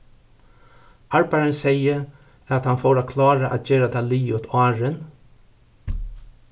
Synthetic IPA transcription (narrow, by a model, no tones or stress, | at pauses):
aɹbaɾənsɛjə | æt̪hanfoːɾakʰlɑːɹaʔæ̰t̪̚d͡ʒeːɾat̪ʰaliːʊt̪ʰɑːɹən